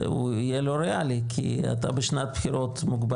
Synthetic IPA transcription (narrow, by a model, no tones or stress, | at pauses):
ṵijeloɾeʔalikʰḭa̰t̪a̰beʃnat̪̚bxiɾot̪muɡba